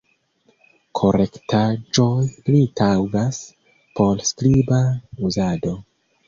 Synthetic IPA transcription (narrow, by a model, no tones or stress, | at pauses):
kʰo̞ɾektʰad͡ʒo̞jlitʰawɡas | po̞lskɾibauzado̞